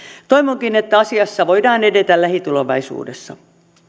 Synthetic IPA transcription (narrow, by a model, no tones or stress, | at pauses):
t̪oiʋoŋkinet̪ːæɑsiɑsːɑʋoidɑːne̞det̪ællæhit̪uloʋɑ̰isṵːdesːɑ̰